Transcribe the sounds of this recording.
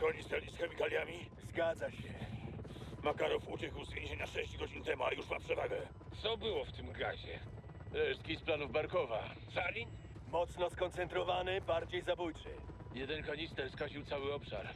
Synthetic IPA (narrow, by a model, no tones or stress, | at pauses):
kɔɲisk̪ɛlɲisxɛmʲikalʲjamʲizɡad̪zaɕɛ | makaɾufut͡ɕɛkwzvʲjẽʑeɲaʂɛɕd͡ʑɡɔd͡ʑint̪ɛmuajuʂmapʂɛvaɡɛ | t̪sɔbɘwɔft̪ɘmɡa̰ʑɛ | lɛʂskʲisplanuvbaɾkɔva | salʲin | mɔt̪snɔskɔnt̪sɛnt̪ɾɔvanɘbaɾd͡ʑejzabujt͡ʂɘ̰ | jɛd̪ɛnkɔɲist̪ɛɾskaʑiwt̪awɘɔpʂa̰ɾ